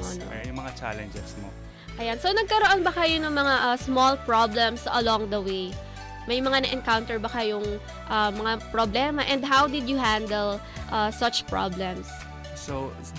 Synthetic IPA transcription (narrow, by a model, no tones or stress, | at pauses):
ʔo̰no̰jʊmɐŋat͡ʃa̰lɛnd͡ʒɛ̰smo̰ | ʔɐjansonɐɡ̚kɐɾoʔonbɐkɐjonɐŋmɐŋaʔɐsmolpɹablɛ̃msɐ̰lɔ̃ŋd̪ɐwej | mɐjmɐŋanɐʔɛnkawnt̪ɛɹbɐkɐjoŋ | ʔɐmɐŋapɹoblɛmɐʔɛ̃nd̪̚ɦawd̪ɪd̪jʊɦæ̃nd̪ɛl | ʔɐsɐt͡ʃpɹa̰blɛ̃ms | so